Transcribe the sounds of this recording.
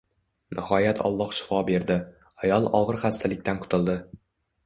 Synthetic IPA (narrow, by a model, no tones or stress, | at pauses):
nʔɪhɒjat̪ʰɒ̰lˠːɒhʃɪ̥fɒbe̞ɾd̪ɪ | ajɒlˠɒʁɨɾχast̪ʰalɪk̚ʲt̪anqʰʊ̥t̪ʰɪlˠd̪ɪ